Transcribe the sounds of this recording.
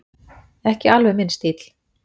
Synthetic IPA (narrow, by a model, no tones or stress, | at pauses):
ɛhcɪalvɛmɪnst̪iːt̪l̥